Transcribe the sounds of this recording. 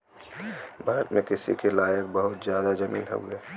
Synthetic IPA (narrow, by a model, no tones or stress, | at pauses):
bʱaːɾət̪mẽkɪsḭkelaːjək̚bəɦʊt̪zjaːd̪azɐmḭːnɦo̰ɡeː